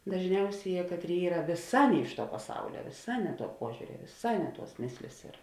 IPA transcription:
dɐʒʲˈnʲɛʊsʲeːˌjɛː ˈkɑːtʲˌrʲeːɪ ˈiːrɐ ʋʲeːˈsɑː ˈnʲɛ ɪʃ ˌtuɔ pɐˈsɐʊlʲɛ ʋʲeːˈsɑː ˈnʲɛ ˌtuɔ ˈpuɔʒʲʊrʲɛ ʋʲeːˈsɑː ˈnʲɛ ˌtuɔs ˈmʲeːsʲlʲeːs ɪr

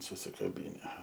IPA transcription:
sʊsʲɪkɐˈbʲiːnʲɛ

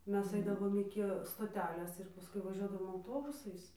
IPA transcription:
ˈmʲɛs ˈɐɪdɐʋoːm ˈɪkʲɪ stoːˈtʲæːlʲeːs ɪr pɐˈskʊɪ ʋɐˈʒʲuɔdɐʋoːm ɐʊˈtoːbʊsɐɪs

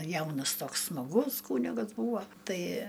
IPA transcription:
ˈjɛʊnɐs ˈtoːks smɐˈɡʊs ˈkuːnʲɪɡɐs ˈbuːʋoː ˈtɐɪ

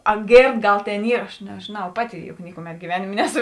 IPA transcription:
ɐ ˈɡʲeːrt ˈɡɐlˠ ˈtʲeːn ˈiːr ɐʃ nʲɛʒʲeːˈnɐʊ ˈpɑːˌtʲɪ jʊk ˈnʲɪkʊˌmʲɛt ɡʲɪˈʋʲæːnʲeːmʲeː ˈnʲæːˌsʊ

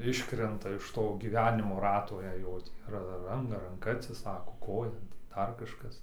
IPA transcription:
ˈɪʃkrʲɛntɐ ɪʃ ˈtoː ɡʲiːˈʋʲæːnʲɪmoː ˈrɑːtoː jɛɪ ˈjoː tʲiː ɐr ˈrɐn rɐŋˈkɐ ɐtʲsʲɪˈsɑːkoː ˈkoːjɛ nʊ tɐɪ ˈdɐr ˈkɑːʃkɐs

